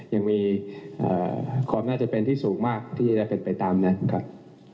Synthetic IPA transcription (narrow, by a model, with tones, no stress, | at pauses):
ja˧ŋmiː˧ʔə̰ː˨˩kʰaː˧mnaː˥˩t͡ɕa˨˩pe˧nt̪ʰiː˥˩suː˩˦ŋmaː˥˩k̚t̪ʰiː˥˩t͡ɕa˧da˥˩pe˧npa˧jt̪aː˧mna˦˥nkʰa˦˥p̚